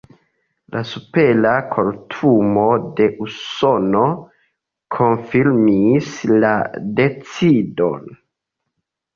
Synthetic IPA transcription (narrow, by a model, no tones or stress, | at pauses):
la̰supe̞lakʰoɾtʰumo̞de̞ʔuso̞no̞ | kʰo̞nfiɾmislade̞t͡sido̞̰n